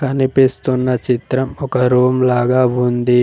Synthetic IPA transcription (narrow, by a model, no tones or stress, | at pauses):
kɐnipist̪unːɐt͡ʃit̪ɾɐmɔkɐɾoːmlaːɡaːund̪i